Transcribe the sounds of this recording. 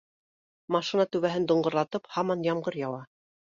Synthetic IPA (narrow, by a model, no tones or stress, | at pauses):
mɑʃinɑt̪ʉβæɦɘnd̪ŏɴɢŏɾlˠɑt̪ɤphɑmɑnjɑmɢɤɾjɑw̪ˠɑ